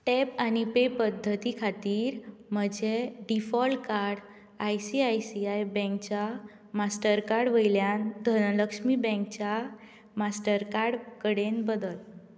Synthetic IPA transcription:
ʈɛpanipepəd̪ʱːət̪ikʰat̪iːɾm̤əd͡ʑeɖifɔlkaɾɽ | ajsiajsiajbɛ̃k̚t͡ɕa | masʈəɾkaɾɽʋəjljand̪ʱənləkʂmibɛ̃ŋkt͡ɕja | masʈəɾkaɾɽkəɽenbəd̪əl

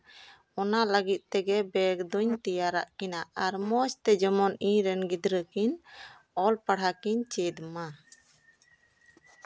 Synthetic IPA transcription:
ɔnaləɡit̪̚ˀt̪ɛɡɛbɛɡd̪uɲt̪ijaɾa̰ʔkinaaɾmɔst̪ɛd͡ʒɔmɔnĩɾɛnɡid̪ɾəkin | ɔlpaɽ̤ɦakiɲt͡ʃɛd̪ma

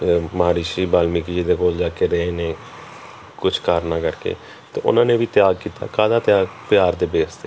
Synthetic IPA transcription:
maːɾiːʃiːbaːlmikiːd̪eːkoːld͡ʒaːkeːɾəeːneː | kʊt͡ʃʰkaːɾnaːkəɾkḛː | t̪ḛːʊ̰nãːneːʋiːt̪ɪjaːɡ̚kiːt̪a̰ːkaːd̪aːt̪jaːɡpjaːɾd̪eːbeːsd̪eː

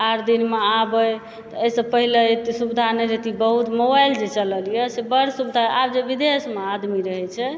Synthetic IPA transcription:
aɾd̪inmeabəj | t̪ɔəsə̃pəɦilet̪isubid̪ʱanəɾet̪ibəɦut̪mobajld͡ʒet͡ʃələlijəsebəɾsubid̪ʱaabd͡ʒebid̪esmead̪miɾəɦɛt͡ʃʰɛ

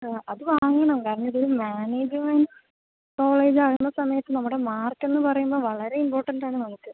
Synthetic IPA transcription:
ɐðɨʋaːŋɡɐɳɐmkaːɾɐɳɐiðoɾumaːneːd͡ʑimɐn | ko̞ːɭeːd͡ʑaːɣunːɐsɐmɐjɐt̪ːɨnɐmːuɽe̞maːrkːe̞nːɨpɐrɐjumbo̞ːʋɐɭɐɾe̞impoːrʈːɐndaːɳɨnɐmukːɨ

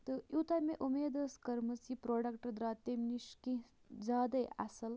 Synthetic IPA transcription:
t̪ɨut̪ameʔumeːd̪ɐskɐɾmɐt͡sipɾoːɖɐkʈɐd̪ɾat̪emniʂkĩ | d͡zaːd̪ɐja̰sɐl

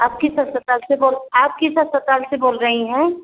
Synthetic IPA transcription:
aːp̚kisɐɾsət̪aːlseboːlaːp̚kisɐspət̪aːlseboːlɾɐɦiɦɛ̃ː

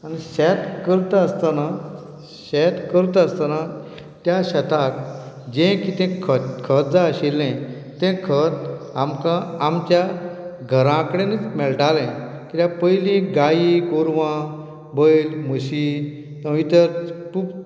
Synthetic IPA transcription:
añiɕɛt̪kəɾt̪aəst̪ana | ɕɛt̪kəɾt̪əəst̪ana | t̪jaɕɛt̪ak | d͡ʑẽkit̪ɛ̃kʰəkʰət̪̚d͡zaəɕilːɛ̃ | t̪ɛ̃kʰət̪amkãamt͡ɕjaɡʱəɾãkəɽenit͡smɛɭʈalɛ̃ | kit̪jãpəjlĩɡaikoɾʋã | bəjlməɕi | t̪ə̃ʋit̪əɾkup

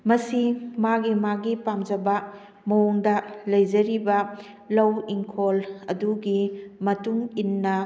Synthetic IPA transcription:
mɐsimaɡimaɡipamd͡ʒɐbɐ | mɐwuŋdɐlɐjd͡ʒɐɾibɐ | lɐwiŋkʰolɐduɡimɐtuŋinːɐ

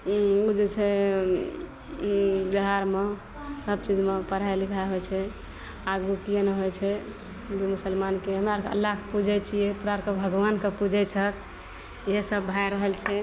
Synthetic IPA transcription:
ud͡ʒet͡ʃʰɛ | biɦaɾme | səb̚t͡ʃid͡ʒmepəɾ̤alikʰaɦojt͡ʃʰɛ | aɡukijenəɦojt͡ʃʰɛ | d͡ʒemusəlmankeɦəmaɾkə̰lːaɦkpud͡ʒʱɛt͡ʃʰijepɾaɾkəbʱəɡʋankepud͡ʒʱɛt͡ʃʰək | jesəbːʱajɾəɦəlt͡ʃʰɛ

